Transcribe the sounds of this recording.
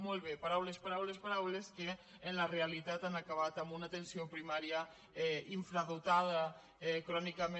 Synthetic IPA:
molβepaɾawlespaɾawlespaɾawleskeː | nlarealit̪at̪anakaβat̪ambunat̪ensiopɾimaɾja | ɛiɱfɾaðot̪að̞a | ɛkɾɔnikame

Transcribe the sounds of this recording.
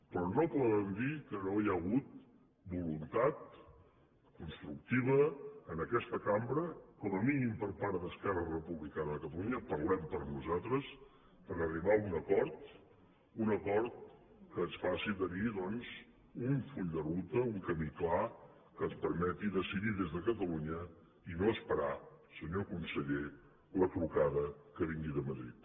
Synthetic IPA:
pɾɔnopoðəmd̪ikənojaːɣut̪̚ | bulunt̪at̪̚ | kunst̪ɾuk̚t̪iβ̞əːnəkɛst̪əkambɾəkɔməminimpəɾpaɾt̪d̪əskɛrərəpuβlikanəðəkət̪əluɲəpəɾlɛmpəɾnuzat̪ɾəs | pəɾəriβ̞aunəkɔɾt̪ | unəkɔɾt̪̚ | kəːnsfasiðəniðɔnz | uɱfuʎd̪ərut̪əuŋkəmikla | kənspəɾmɛt̪iðəsiðiðezðəkət̪əluɲə | inoəspəɾasəɲokunsəʎe | lət̪ɾukaðəkəβ̞iŋɡiðəməðɾḭt̪̚

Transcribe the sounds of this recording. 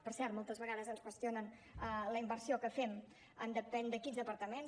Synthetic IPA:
pəɾsɛɾt̪mɔlˠt̪əzβəɣaðəzənskwəst̪ionən | ələimbəɾsiokəfɛm | ənd̪əpɛnd̪əkinzðəpəɾt̪əmen

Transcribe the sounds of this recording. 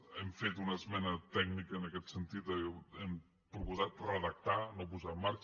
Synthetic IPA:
ɛmfet̪unəzmɛnət̪ɛknikəːnəkɛt̪sənt̪it̪əɛm | pɾukuzat̪̚rəðək̚t̪anop̬uzamːaɾk

